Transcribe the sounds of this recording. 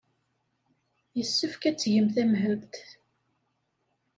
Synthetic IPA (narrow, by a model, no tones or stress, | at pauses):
jəsːəfkæt͡sːʝəmθæmɦəvt̪